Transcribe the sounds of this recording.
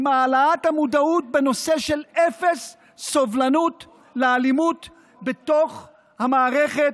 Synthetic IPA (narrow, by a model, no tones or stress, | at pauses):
maːlaathamudaut̚be̞no̞seʃelefesː | ovlanut | lealimut | beto̞χ | hamaːʁeχet